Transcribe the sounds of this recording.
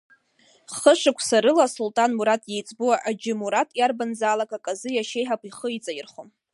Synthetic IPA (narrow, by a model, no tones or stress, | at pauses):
χəʂɨkʷʰsaɾɨlasultʼanmuɾatʼje̞jt͡sʼbuwaʔad͡ʒɪmuɾatʼjarbanzaːlakʼakʼazɨjaʃe̞jħapʷʰʼiχəit͡sʼajɪrχom